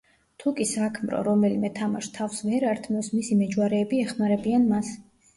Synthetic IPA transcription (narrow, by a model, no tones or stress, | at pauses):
t̪ʰukʼisakʰmɾɔ̰ɾɔmɛlimɛt̪ʰamaʃt̪ʰafsvɛɾaɾt̪ʰmɛsmisimɛd͡ʒwaɾɛːbiɛχmaɾɛbianmas